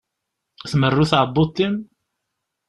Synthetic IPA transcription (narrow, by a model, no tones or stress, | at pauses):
θmərːuθʕəbːut̪ːin